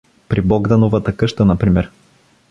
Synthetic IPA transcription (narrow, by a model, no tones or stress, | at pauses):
pɾibɔɡd̪ɐnovət̪ɐkɤʃt̪ənɐpɾimɛɾ